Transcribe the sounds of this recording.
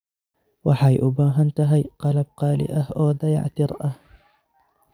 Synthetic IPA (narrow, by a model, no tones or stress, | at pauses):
waħajʔʊbaːɦant̪aɦajqɑlab̚qɑːlɪ̰ʔahʔoːd̪aja̰ʕt̪ɪɾˤʔah